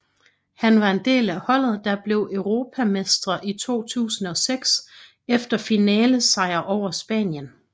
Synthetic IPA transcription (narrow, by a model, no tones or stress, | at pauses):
hænʋɑ̈e̝nd̥e̝̰ːlæhɒ̽l̰ð̩ˠd̥ɑ̈b̥le̝ʊʔœʊʁo̝ːpʰæmesd̥ʁɐʔit͡sʰo̝̰ːt͡sʰṵːsən̩ɒ̽seɡ̥s | efd̥ɐfinɛːləsɑ̈ɪ̰ɐʔɒʊ̰ɐsb̥ɛ̰ːnjən